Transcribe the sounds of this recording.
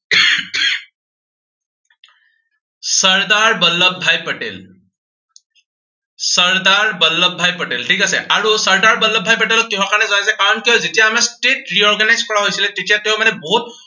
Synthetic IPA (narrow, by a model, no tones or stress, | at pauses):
səɹd̪aɹbəlːəbʱajpəʈḛl | səɹd̪aɹbəlːəbʱajpəʈelʈʰikasɛ̰ʔaɹusəɹd̪aɹbəlːəbʱajpəʈelɔkiɦãkaɹnɛzaajsɛkaɔnkiɔzetijaːmɛsʈeʈɹiɔɹɡanajzkɔɹaɦojsilɛtetijat̪eʊ̃manɛbɔɦut̪̚